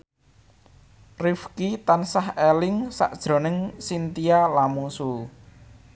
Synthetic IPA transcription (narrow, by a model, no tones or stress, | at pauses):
rifkit̪ansahelɪŋsa̰ʔd̥ʒ̥ɾo̤nɪŋsint̪ialamusu